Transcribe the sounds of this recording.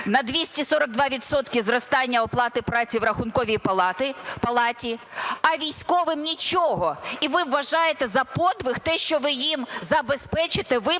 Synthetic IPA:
nɐd̪ʋʲisʲtʲisɔɾɐɡ̚d̪ʋɑʋʲit̪sɔt̪kʲizrɔst̪ɑnʲːɐɔplˠɑt̪ɪpɾɑt͡sʲiwɾɐxʊnkɔʋʲijpɐt̪ɪpɐlˠɑtʲi | ɐʋʲijsʲkɔʋɪmnʲit͡ʃɔɦɔiʋɪwːɐʒɑjet̪ɛzɐpɔd̪ʋɪxt̪ɛʃt͡ʃɔʋɪjimzɐbespɛt͡ʃɪt̪eʋɪ

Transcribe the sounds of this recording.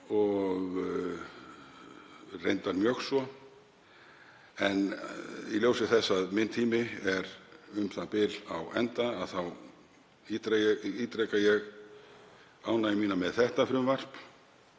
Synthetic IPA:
ɔɣ | rḛjnt̪aɾmjœxsɔ | ɛniljowsɪθɛsːaðmɪnt̪ʰiːmɪɛɾʏmθapɪlawɛ̰nt̪aːðθaw | it̪ɾɛɛit̪ɾɛkajɛɣ | awnaimiːnamɛðθɛht̪afɾʏmvar̥p

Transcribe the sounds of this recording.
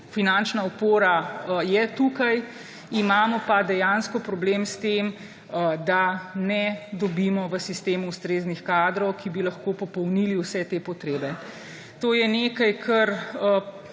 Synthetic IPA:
finant͡ʃnaupoːɾajɛt̪ukaj | imaːmɔpad̪ɛjanskɔpɾɔbleːmst̪em | d̪anɛd̪ɔbiːmɔʋəsist̪eːmuust̪ɾeːznixkaːd̪ɾɔwkʰibilɐxkopɔpɔwniliwsɛt̪eːpɔt̪ɾeːbɛ | t̪oːjɛneːkajkʰɐɾ

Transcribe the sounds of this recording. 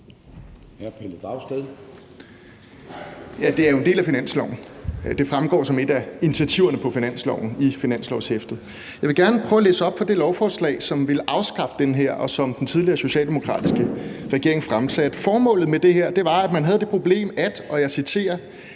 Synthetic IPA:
hæpʰeld̥ɑʊsd̥eðˠ | jæd̥e̝æɐjo̝e̝nd̥e̝ːlæfinæn̰slɒʊn̩d̥e̝fʁamɡ̥ɒ̰ːsɒ̽me̝d̥æinit͡sʰiæt͡sʰiʊ̰ɐnəpʰɒ̽finæn̰slɒ̰ʊ̰n̩ifinæn̰slɒʊshefd̥ð̩ˠ | jɑ̈ɪʋe̝ɡ̥æɐnəpʰʁœʊælḛːsəɒ̽b̥fɒ̽d̥e̝lɒʊfɒːslɛ̰ːɪsɒ̽mʋe̝lʔɑ̈ʊsɡ̥ɑ̈b̥əd̥enɦeɐ̰ʔɒ̽sɒ̽md̥ent͡sʰið̞ˠliɐːso̝ɕɛ̰ːld̥e̝mokʰʁɑ̰̈ːd̥isɡ̥əʁɛɡ̥e̝ɐ̰e̝ŋfʁamsæd̥fɒːmɔ̰̽ːlð̩ˠmed̥e̝heɐ̰d̥e̝ʋɑ̈æ̥mænɦæðˠd̥e̝pʰʁo̝b̥le̝̰ːmæd̥ɒ̽jɑ̈ɪsit͡sʰe̝̰ːɐ

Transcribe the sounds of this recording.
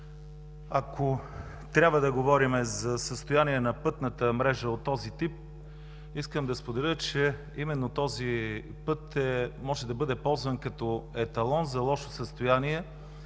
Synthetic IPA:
ɐkʰo | t̪ɾʲabvəd̪ɐɡovɔɾimɛzɐsəst̪ojaniɛnɐpɤt̪nət̪əmɾɛʒəot̪ːɔzit̪ip̚ | iskəmd̪ɐspod̪ɛlʲət͡ʃɛ | imɛnːot̪ɔzi | pɤt̪ɛmɔʒɛd̪ɐbɤd̪ɛpɔlˠzvənkɐt̪ɔɛt̪ɐlˠɔnzɐlˠɔʃo̥səst̪ojaniɛ

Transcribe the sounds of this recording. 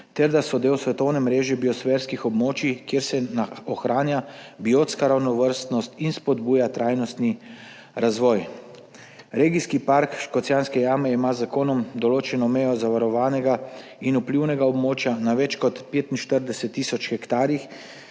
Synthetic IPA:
t̪ɛɾd̪asɔd̪eːwsʋɛt̪ɔwnɛmɾeːʒɛbiɔsfɛɾskixɔbmoːt͡ʃikjeɾsɛnaɔxɾaːnjabioːt̪skaɾawnɔʋəɾst̪nɔst̪inspɔd̪buːjat̪ɾajnɔst̪ni | ɾazʋɔj | ɾeːɡiskipaɾkʃkɔt̪sjanskɛjaːmɛimazakoːnɔmd̪ɔloːt͡ʃɛnɔmɛjɔzaʋaɾɔʋaːnɛɡa | inupliwnɛɡaɔbmoːt͡ʃjanaʋɛt͡ʃkɔt̪peːt̪inʃt̪əɾd̪ɛsɛt̪ːiːsɔt͡ʃxɛkt̪aːɾjix

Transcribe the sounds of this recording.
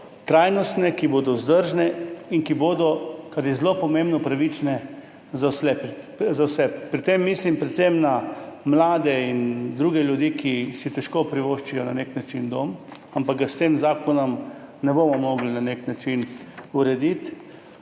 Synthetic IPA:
t̪ɾaːjnɔst̪nɛkiboːd̪ɔzd̪əɾʒnɛinkiboːd̪ɔkaɾjɛzlopɔmẽmbnɔpɾaʋit͡ʃnɛ | zawsɛp | zawsɛpːɾit̪emːiːslimpɾɛt̪sɛmnamlaːd̪ɛind̪ɾuːɡɛljud̪ikʰisit̪ɛʃkopɾiʋoʃt͡ʃijɔnaneknat͡ʃind̪om | ampaɡ̚ɡast̪eːmzaːkɔnɔmnɛbomɔmɔːɡlinaneknat͡ʃinuɾɛd̪it̪

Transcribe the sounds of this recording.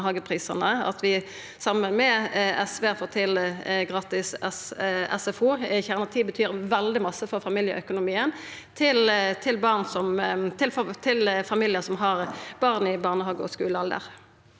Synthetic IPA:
ɦɑːɡəpʰʁiːsənəɑ̰t̪ʋɪ | sɑmənmɛɛsʋeːfoːʁt̪ʰɪlɡʁɑːt̪ɪsɛsɛ̰sɛfuːçæʁnɑt̪ʰiːbət̪ʰyːʁʋɛld̪ɪmɑsːəfɔʁfɑmiːljə̰ʔœkʊnʊmiːən | t̪ʰɪlt̪ʰɪlbɑʁnsɔmt̪ʰɪlft̪ʰɪlfɑmiːlɪəsɔmɦɑʁb̥ɑʁnɪbɑʁnəhɑːɡəɔ̰skʉːləɑld̪ə̰ʁ

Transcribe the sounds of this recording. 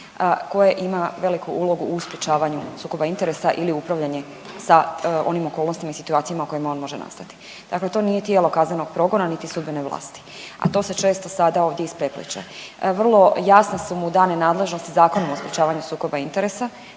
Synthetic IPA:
ko̞jeʔimaʋe̞likuʔulˠo̞ɡuʔːspɾjʲet͡ʃaːʋaɲusuːko̞baint̪eɾesaʔiliupɾaʋʎaɲe̞ | sao̞nimo̞kolno̞st̪imaisi̥t̪uaːt̪sijamaoko̞jemo̞ːnmo̞ʒena̰st̪at̪i̥ | d̪̥akle̞t̪o̞ːnije̞t̪jelo̞kazne̞no̞ɡ̥̚pɾo̞ɡo̞nanit̪isud̪bineʋlˠa̰ːst̪i̥ | a̰t̪o̞ːse̞t͡ʃe̞ːst̪o̞sad̪ao̞ʋd̪jeispɾe̞plḭt͡ʃḛ | ʋr̩lˠo̞jasnasumud̪aːnenaːd̪le̞ʒno̞st̪izaːkonomospɾʲjet͡ʃaːʋaɲusuːko̞baint̪e̞ɾesa

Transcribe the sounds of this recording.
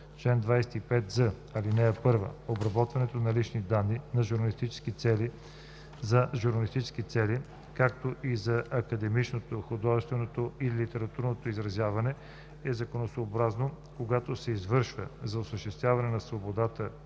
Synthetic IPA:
t͡ʃlɛnd̪vajsɛ̥t̪ipɛt̪zə | ɐlinɛːpɤɾvə̰obɾɐbɔt̪vɐnɛt̪onɐlit͡ʃnid̪anːinɐʒuɾnɐlist̪it͡ʃɛ̥skit̪sɛli | zɐʒuɾnɐlist̪it͡ʃɛ̥skit̪sɛli | kakt̪oʔizɐʔɐkɐd̪ɛmit͡ʃnot̪oxod̪ɔʒɛst̪vɛnot̪oilit̪ɛɾɐt̪uɾnot̪oizɾɐzjavɐnɛ | ɛzɐkonosoːbɾazno | koɡat̪osɛizvɤɾʃvəzɐosəʃt̪ɛst̪vʲjavɐnɛnɐsvobod̪at̪ə

